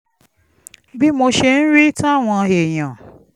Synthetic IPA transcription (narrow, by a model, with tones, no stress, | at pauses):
bi˦mo˧ʃe˧n̩˦ɾi˦tũ˦a˦˨w̃ɔ̃˧e˨j̃ã˨